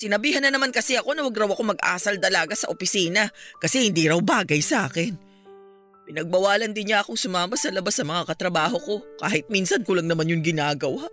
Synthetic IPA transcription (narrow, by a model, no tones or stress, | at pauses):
sɪnɐbiːhɐnːɐnɐmankɐsɛʔɐko̞nɐwɐɡɾɐwɐkomɐɡ̚ʔa̰ːsɐlt̪ɐlaːɡasɐʔopɪsiːnɐkɐsɛhɪnd̪iːɾɐwbaːɡɐjsɐʔaːkɛn | pɪnɐɡ̚bɐwaːlɐnd̪ɪnɲaʔɐko̞ŋsʊmaːmɐsɐlɐbasɐmɐŋakɐt̪ɾɐbaːɦo̞ko̞ka̰ːhɪt̪̚minsɐnkʊlɐŋnɐmanjʊŋɡɪnaːɡɐwa